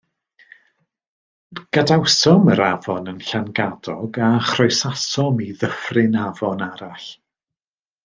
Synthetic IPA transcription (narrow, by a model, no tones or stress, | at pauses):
ɡ̥adawsɔməɾavɔnənɬanɡadɔɡaχrɔjsasɔmiðəfrɪnavɔnaɾaɬ